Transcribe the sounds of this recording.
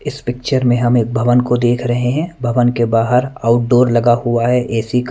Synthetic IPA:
ɪspɪk̚t͡ʃəɾmẽɦɐmeːk̚bʱɐʋənkod̪eːkʰɾɐɦeɦɛ̃bʱɐʋənkebaːɦəɾaːʊʈ̚ɖoːɾlɐɡahʊaɦɛʔɛːsik

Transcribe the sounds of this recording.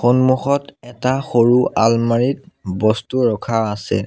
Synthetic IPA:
xonmuxɔtɛtaxoɹuʔalmaɹitbɔstuɹɔkʰaːsɛ̰

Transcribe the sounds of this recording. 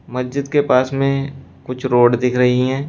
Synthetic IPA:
mɐsd͡ʒɪd̪kepaːsmẽkʊt͡ʃʰɾoːɖd̪ɪkʰɾɐɦiɦɛ̃ː

